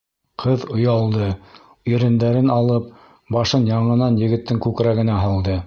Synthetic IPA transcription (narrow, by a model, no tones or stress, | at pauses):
qʰɤðŏjɑlˠd̪ɤ | ɵɾɘ̆nd̪æɾɘnɑlˠɤp̚ | bɑʃɤnjɑɴɤ̆nɑnjɘ̆ɡɘ̆t̪ːɘŋkʉkɾæɡɘ̆næɦɑlˠd̪ɤ